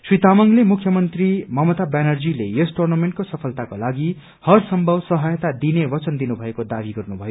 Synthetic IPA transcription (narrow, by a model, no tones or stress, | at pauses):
swit̪amʌŋlemukʰjʌmʌnt̪rimʌmʌt̪abanʌrd͡zilejʌsʈurnʌmeɳʈ̚kosʌpʰʌlt̪akolaɡi | hʌrsʌmbʱʌbsʌɦʌjt̪ad̪inebʌt͡sʌnd̪inubʱʌekod̪abiɡʌrnubʱʌjo